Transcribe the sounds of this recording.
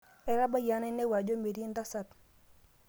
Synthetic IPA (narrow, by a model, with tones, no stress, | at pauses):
ɛ˨ɾa˦ba˦ja˨˦nɛ˦nɛ˦wa˨d͡ʒo˦me˨ɾi˦nda˦sa˨t